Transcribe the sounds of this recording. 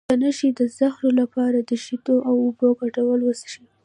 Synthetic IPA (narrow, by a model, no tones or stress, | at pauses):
anaʃid̪əzaxnolapɑɾad̪əʃit̪oʔawʊboɡaʈawəlwəsʃi